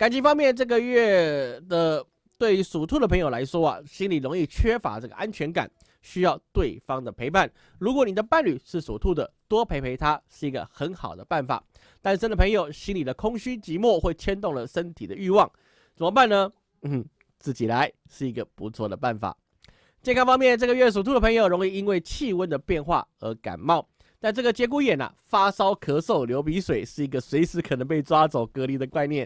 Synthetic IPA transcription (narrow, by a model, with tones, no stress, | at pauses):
ka˨˩nt͡ɕi˥˩fɑ˥ŋmjɛ˥˧nʈ͡ʂɤ˥˩ɡə˨ɥɛ˥˩d̪ə˨˩ | t̪we˥˩ɪ˥ʂu˨˩t̪ʰu˥˩d̪ə˩pʰɤ˧˥ŋjo˨˩la˧˥ɪʂwɔ˥ɐ̰˨ɕi˥nli˨˩ɻʊ˧˥ŋi˥˩t͡ɕʰɥɛ˥fa̰˧˥ʈ͡ʂɤ˥˩ɡə̰˩ʔa˦˥nt͡ɕʰɥɛ˧˥nka̰˨˩n | ɕy˥jɑ˥˧ʊt̪we˥˩ɪfɑ˥ŋd̪ə˨pʰe˧˥ɪpʰa˥˩n | ɻu˧˥k̬wɔ˧˦ni˨˩d̪ə˦pa˥˩nly˨˩ʂɻ̩˥˩sɔ˨˩t̪ʰu˥˩d̪ə˨˩t̪wɔ˥pʰe˧˥ɪpʰe˧˥ɪt̪ʰa˥ʂɻ̩˥˩i˧˥ɡə̰˨xə˧˦˥nxɑ̰˨˩ʊd̪ə˦pa˥˩nfa̰˨˩ | t̪a˥˩nʂə˥nd̪ə˩pʰɤ˧˥ŋjo˨˩ʊɕi˥nli˨˩d̪ə˦kʰʊ˥ŋɕy˥t͡ɕi˧˥mwɔ˥˧xwe˥˩ɪt͡ɕʰjɛ˥nt̪̬ʊ˥˩ŋlə˩ʂə˥nt̪ʰḭ˨˩d̪ə˦y˥˧wɑ˥˩ŋ | t͡sə˨˩mə˧pa˥˩nːə˩˥˩ | t͡sɹ̩˥˩t͡ɕi˨˩la˧˦ɪ | ʂɻ̩˥˩i˧˥ɡə˨pu˧˥t͡sʰwɔ˥˩d̪ə˩pa˥˩nfa̰˨˩˦ | t͡ɕjɛ˥˧nkʰɑ˥ŋfɑ˥ŋmjɛ˥˨nʈ͡ʂɤ˥˩ɡə˨ɥɛ˥˩s̬u˨˩t̪u˧˥d̪ə˩pʰɤ˧˥ŋjo˨˩ʊɻʊ˧˥ŋi˥˧i˦˥nwe˥˧ɪt͡ɕʰi˥˧wə˥nd̪ə˨pjɛ˥˧nxwa̰˥˩ə̰˧˥ka̰˨˩nmɑ˥˩ʊ | t̪a˥˧nʈ͡ʂɤ˥˩ɡə˩t͡ɕjɛ˧˥k̬u˧˥jɛ˨˩nɐ̰˨˩fa˥sɑ˥ʊkʰɤ˧˥so˥˩ʊljo˧˥ʊpi˧˥ʂwe˨˩ɪʂɻ̩˥˩i˧˥ɡə˨swe˧˥ɪʂɻ̩˧˥kʰə˨˩nə˧˥ŋp̬e˥˩ɪʈ͡ʂwa˥t͡so˨˩ʊkɤ˧˥li˧˩d̪ə˩kwa˥˧ɪnjɛ˥˩n